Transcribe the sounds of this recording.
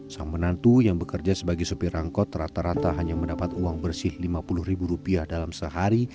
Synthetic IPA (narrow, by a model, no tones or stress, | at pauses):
saŋmənant̪ujaŋbəkərd͡ʒasəbaɡɛsopiɾaŋkɔt̪rat̪aɾat̪aɦaɲaməndapat̪uaŋbərsɪhlimapulʊhribuɾupiahdalamsəɦaɾi